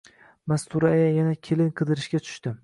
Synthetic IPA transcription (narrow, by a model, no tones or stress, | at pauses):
mast̪ʊɾajajanakʲʰe̞lɪnqʰɨd̪ɪɾɪʃkʲat̪ʰʊ̥ʃt̪ɪ